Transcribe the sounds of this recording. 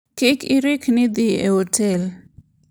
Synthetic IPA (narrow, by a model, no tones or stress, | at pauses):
kikʰiɾikʰnid̪iḛhotʰel